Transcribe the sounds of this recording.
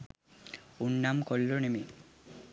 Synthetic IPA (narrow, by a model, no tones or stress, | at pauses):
unːamkɔlːonemi